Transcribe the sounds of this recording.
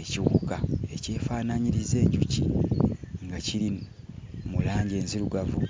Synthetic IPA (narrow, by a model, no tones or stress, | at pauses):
eciwukae̞ce̞ːfaːnaɲiɾize̞ːɲɟucḭ | ŋɡaciɾi | mulaːɲɟe̞ːnziluɡavu